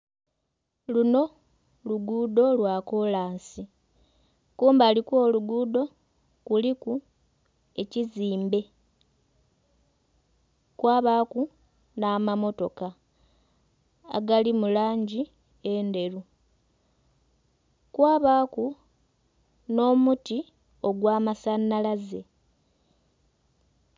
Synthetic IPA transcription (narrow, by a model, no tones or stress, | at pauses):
luno̞ | luɡuːdo̞lwaːkolaːnsi | kuːmbaːlikwo̞ːluɡuːdo̞ | kuliku | e̞ciziːmbe̞ | kwaːβaːku | naːmamo̞to̞ka | a̰ɡalimulaːɲɟi | e̞nde̞ɾu | kwaːβaːku | no̞ːmuti | o̞ɡwaːmasanːalaze̞